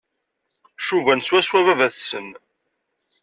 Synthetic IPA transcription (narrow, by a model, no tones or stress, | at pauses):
ʃuvænswæswævævæθsən